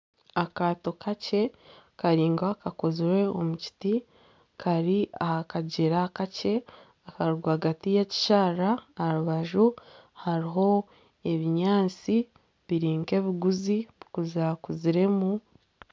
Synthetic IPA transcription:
akaːto̞kʰace̞kaɾiːŋɡakakoziɾe̞omuci̥ti | kʰaɾiahakaɟeɾakace̞ | akaɾuɾɡwahaɡatijaci̥ʃaːɾaːɾuβaʒuhaɾiɦo̞ | e̞βiɲaːt͡si | βiɾiːŋke̞βiɡuziβikuzakuziɾe̞mu

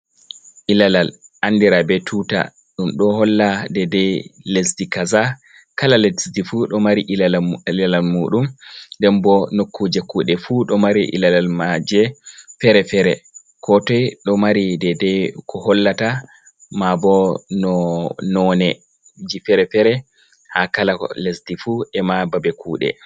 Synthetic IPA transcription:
ʔilalalʔandiɾabɛtʰuta̰ | ɗumɗɔɦɔlːadɛdɛlesdikaza | kalalesdifuɗɔmaɾiʔalalalmuːɗumdɛmbɔnokʰːud͡ʒekʰːuɗɛfuɗɔmaɾiʔḭlalalmad͡ʒɛfɛɾɛfɛɾɛ̰ | kʰɔtɔjɗɔmaɾidɛdɛkʰɔhɔlːata | mabɔnɔnɔnɛ | d͡ʒifɛɾɛfɛɾɛ | hakalalesdifuɛmababɛkuːɗɛ̰

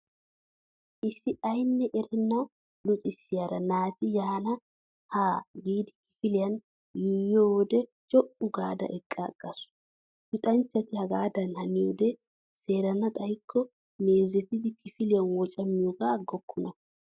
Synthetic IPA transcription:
ʔɪsːɪɐjnːɛʔɛɾɛnːɐw | lʊt͡sʼɪsːɪjaɾɐnaːt̪ɪjaːnɐ | haːɡiːd̪ɪkɪ̥fɪlɪjɐn | jijowɔd̪ɛ | t͡ʃʼɔpːʊɡaːd̪ɐ̰ʔɛkʼːaɡ̥ʼːɐsʊ̥ | pɪt̪ʼɐnt͡ʃːɐt̪ɪhɐɡaːd̪ɐnhɐnɪjo̰ːd̪ɛ | se̞ːɾɐnɐt̪ʼɐjɪkʰːɔ | ne̞ːzɛt̪ːɪd̪ɪkɪfɪlɪjɐnwɔt͡ʃʼɐmːɪjɔɡaɡːɔkːʊnɐ

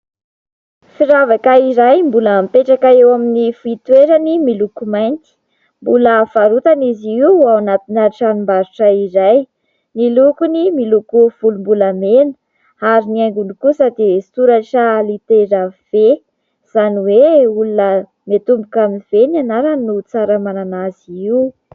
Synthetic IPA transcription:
fiɾavakaiɾajmbuləmpeʈ͡ʂakaewaminifit̪weɾənimilukumajnt̪i̥ | mbuləfaɾut̪aniziiawanat̪inaɾiʈ͡ʂanumbaɾuʈ͡ʂaiɾaj | nilukunimilukuv̥ulumbuləmenə̥ | aɾiniajŋɡunikusad̪isuɾaʈ͡ʂalit̪eɾav̥e | z̥aniweulunə | met̪umbukaminiv̥enianaɾanut͡saɾəmananaziiw

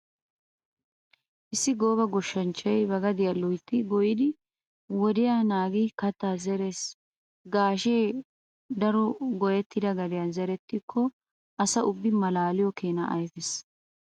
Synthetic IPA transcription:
ʔɪsːɪɡo̞ːbɐɡɔʃːɐnt͡ʃːɐjbɐɡɐd̪ɪjɐlɔjt̪ːɪɡɔjɪd̪ɪ | wɔd̪ɪjanaːɡikɐt̪ːaːzɛɾes | ɡaːʃeː | d̪ɐɾɔɡɔjɛt̪ːɪd̪ɐɡɐd̪ɪjɐnzɛɾɛt̪ːɪkʰːɔ | ɐsɐʔʊbːɪmɐlaːlɪjɔkeːnɐ̰ʔɐjfɪs

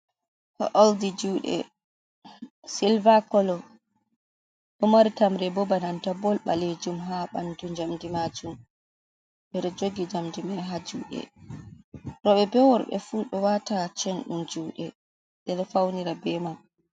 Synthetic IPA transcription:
hɔ̰ʔɔldid͡ʒuːɗɛ̰ | silvakɔlɔ | ɗɔmaɾitamɾɛbɔbanantabɔlɓa̰led͡ʒumɦaɓa̰ndud͡ʒamdimad͡ʒum | ɓɛɗɛd͡ʒoɡid͡ʒamdimaɦad͡ʒuːɗɛ̰ | ɾɔɓɛbɛwɔɾɓɛ̰fuɗɔwatat͡ʃɛnɗumd͡ʒuːɗɛ | ɗɛɗɔfawniɾabɛmam

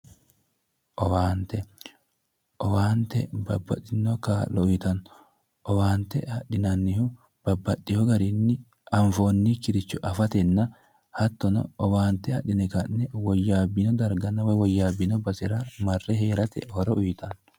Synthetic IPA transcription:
ʔɔwaːnt̪ɛ | ʔɔwaːnt̪ɛ̰bɐbːɐ̰t̪ːɪnːɔkaːlɔʊjt̪ɐnː | ʔɔwaːnt̪ːɛ̰hɐᶑɪnɐnːɪhʊ | b̥ɐbːɐtːɪhɔɡɐɾinːɪ | ʔɐɱfo̞ːnːikɪɾɪt͡ʃːʊʔɐfɐt̪ɛnːɐ | hɐt̪ːɔnɔ̰ɔwaːnt̪ɛhɐɗɪnɛkɐnːɛwɔjːaːbːinɔd̪ɐɾɡɐnːɐwɐjwɔjːaːbːɪnɔbɐsɪɾɐmɐrːɛɦeːɾɐt̪ɛ̰hɔɾɔʊjt̪ɐn

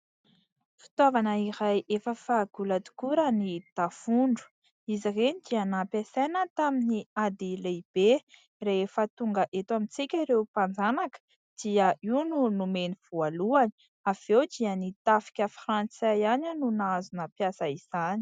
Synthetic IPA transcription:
fi̥t̪wavanəiɾajʔefəfaɡ̥ulad̪u̥kuɾənid̪̥afuɳɖ͡ʐu̥ | izirenid̪iənapasenət̪aminiad̪ileib̥e | reefət̪uŋɡəʔet̪wamint͡sikʲaɾewpand͡zanakə̥ | d̪̥iəiununumeniv̥ualuani̥ | av̥ewd̪iənit̪afi̥kʲəfrant͡sajaninunazunəpjasəiz̥ani̥

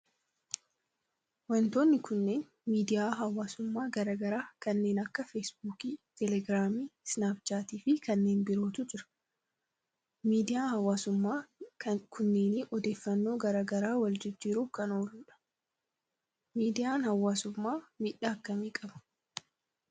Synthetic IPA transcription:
wɐnt̪oːnːɪkʊnːe̞ːn | miːd̪ɪjaːɦɐwːaːsʊmːaːɡɐɾaːɡɐɾaːkɐnːe̞ːnɐkːɐfeːsbuːkiːt̪ʰɛlɛɡɾaːmiːsnaːpt͡ʃaːt̪iːfɪkɐnːe̞ːnbɪɾo̞ːt̪ʊd͡ʒɪɾɐ̥ | miːd̪ɪjaːhɐwːaːsʊmːaːkɐkʰʊnːe̞ːnɪʔɔd̪e̞ːfːɐnːo̞ːɡɐɾaːɡɐɾaːwɐld͡ʒɪd͡ʒːiːɾuːkɐno̞ːlʊːᶑɐ̥ | miːd̪ɪjaːnhɐwːaːsʊmːaːmɪᶑɐːkːɐmeːkʼɐbɐ̥

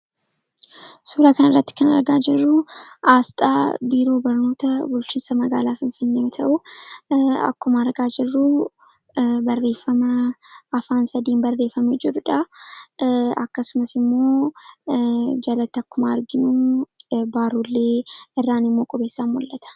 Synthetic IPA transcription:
suɾɐkɐnɪrːɐt̪ːɪ̥kɐnɐ̰ɾɡaːd͡ʒɪrːʊʔaːst̪ʼa̰ːbiːɾo̞ːbɐɾno̞ːt̪ɐbʊlt͡ʃiːnsɐmɐɡaːlaːfɪnfɪnːeːmɪt̪ʰɐʔʊ | ɐ̰kːʊmɐːɾɡaːd͡ʒɪrːu | bɐrːe̞ːfːɐmɐɐfaːnsɐd̪iːmbɐrːe̞ːfɐmɛd͡ʒɪɾʊᶑɐ | ɐkːɐsʊmɐsɪmːo̞ː | d͡ʒɐlɐt̪ːɪɐkːʊmaːɾɡɪnu | baːɾuːlːeːɪrːaːnɪmːo̞ːkʼɔbeːsːanmɔlːɐt̪ɐ̥

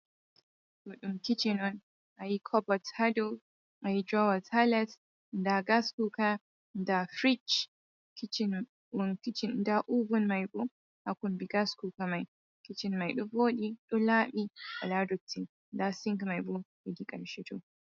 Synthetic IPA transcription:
tuɗʊŋkʲɪt͡ʃinɔn | ʔajikʰɔbɔthado | ʔajid͡ʒawɐtʰalɛt | ndaɡaskuka | dafɾit͡ʃ | kɪt͡ʃɪn | wʊŋkʲɪt͡ʃɪndaʔubʊnmajbo | hakʷʊmbiɡaskukamaj | kʲɪt͡ʃɪnmajɗʊboːɗiɗʊlaːmiʔaladʊtʰːi | dasɪŋkmajbobidikʼɐ̰nʃɪto̰

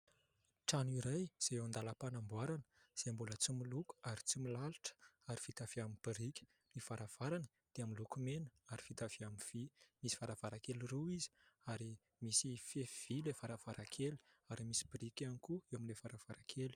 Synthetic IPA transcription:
ʈ͡ʂaniɾajz̥eeand̪aləpanambwaɾanə̥z̥embulət͡similuku̥aɾit͡similaliʈ͡ʂə̥aɾi̥fit̪av̥eamibiɾikʲə̥ | nifaɾav̥aɾanə | d̪̥eamilukumenə̥aɾifit̪av̥eamiv̥imisi̥faɾav̥aɾakeliruizi̥aɾi | misifev̥ilefaɾav̥aɾakʰeli̥aɾimisi̥biɾikʲanikuewamilefaɾavaɾakʰeli̥

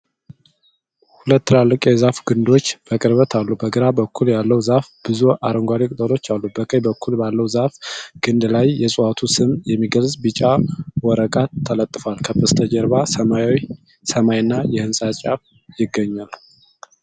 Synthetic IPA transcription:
hulət̪ːɨlalːɨkʼjɛzafɡɨnd̪o̞t͡ʃːb̥əkʼɨɾβət̪ʰalːubəɡɨɾabəkʰːuljalːəwzafb̥ɨzuʔaɾəŋɡʷaɾikʼɨt̪ʼəlo̞t͡ʃːalːubəkʼəjbəkʰːulbalːəwzafɡ̥ɨnd̪lajːɛsʼuat̪ʰusɨmjɛmːiɡəlzʼbɨt͡ʃʼawɔɾəɡʼaːələt̪ʼːɨfalkʰəfɨst̪ʰəd͡ʒɛɾβa | səmajnːajɛhɨnsʼat͡ʃʼaf | jɪɡːəɲːal

